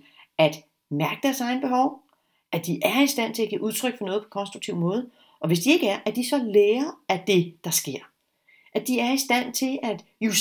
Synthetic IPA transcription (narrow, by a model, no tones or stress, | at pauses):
æd̥ | mæɐɡ̥əd̥æɐsɑ̈ɪnəb̥e̝hɒʊ | ʔæd̥iʔæɐisd̥æn̰t͡sʰe̝læɡ̥ʰæʔuð̞ˠt͡sʰʁœɡ̥fɒnɔ̽ːðˠpʰɒ̥̽kʰɒ̽nsd̥ʁuɡ̥̚t͡sʰiʊ̰mɔ̽ːð̞̩ˠ | ʔɒ̽ʋe̝s̬d̥ie̝ɡ̥əæɐʔæɐd̥isɒ̽leːɐæd̥e̝d̥ɑ̈sɡ̥e̝ɐ̰ | ʔæd̥iæɐisd̥æn̰t͡sʰe̝læd̥ | jus